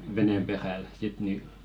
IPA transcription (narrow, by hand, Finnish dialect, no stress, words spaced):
ʋenem peræl sit ni